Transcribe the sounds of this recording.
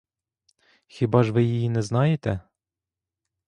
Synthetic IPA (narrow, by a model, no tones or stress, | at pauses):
xʲibɑʒʋɪjijinɛznɑjet̪ɛ